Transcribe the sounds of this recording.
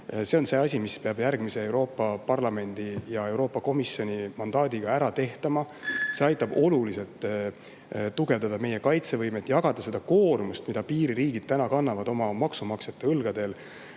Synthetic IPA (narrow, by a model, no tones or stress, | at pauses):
se̞o̞nse̞ɑsʲimispe̞ɑb̥jærɡmise̞e̞wɾo̞ːpːˑɑpɑrlɑme̞nd̪̥ijɑe̞wɾo̞ːpːˑɑko̞misːjo̞nʲimɑnd̪ɑːd̪̥ʲiɡ̥ɑæɾɑt̪e̞ht̪ɑmɑse̞ɑjt̪ːˑɑb̥o̞lulise̞lt̪ːˑ | t̪uɡ̥e̞vd̪ɑd̪ɑme̞jekɑjt̪se̞vɤjmet̪jɑɡ̥ɑd̪̥ɑse̞d̪ɑko̞ːrmust̪mid̪ɑpiːɾiɾiːɡid̪̥̚t̪ænɑkɑnːɑvɑd̪o̞mɑmɑksumɑkset̪ːeɯlɡ̥ɑd̪̥e̞l